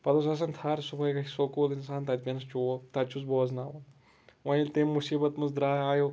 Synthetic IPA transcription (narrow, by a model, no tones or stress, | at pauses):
pɐd̪os̬ɐs̬ɐnt̪ʰaːɾsubɐjkɐsokuːt̪insaːnt̪ɐt̪ʲpʲinɐst͡ʃot̪ɐt͡ʃusboːznaːwɐ | ʋɐ̃ilt̪emːusiːbɐt̪mɨzd̪ɾaːaːjo